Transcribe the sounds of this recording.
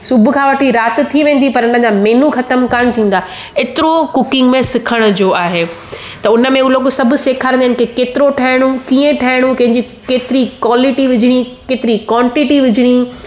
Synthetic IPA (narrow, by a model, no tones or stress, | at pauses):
sʊbʱʊ̆kʰãːʋɐʈʰiɾaːt̪t̪ʰiʋẽːn̆d̪ipɐɾʊnəd͡ʑameːnuxɐt̪əmkəñt̪ʰĩːn̆d̪aː | eːt̪ɪɾokʊkɪ̃ŋɡmẽsɪkʰəɽ̃ʊd͡ʑoːaːɦe | t̪ɐʊnə̆mẽuloːɡsɐbʱʊseːkʰaːɾ̃nd̪ɦɪn̆kʰekeːt̪ɪɾoʈʰaːɦɪɽ̃ũkiːə̃ʈʰaːɦɪɽ̃ũkɐ̃ɦɪ̃ɲd͡ʑi | keːt̪ɪɾikwaːlɪʈiʋɪd͡ʑʱɪɽ̃ikeːt̪ɪɾikwãːɳʈɪʈiʋɪd͡ʑʱɪɽ̃i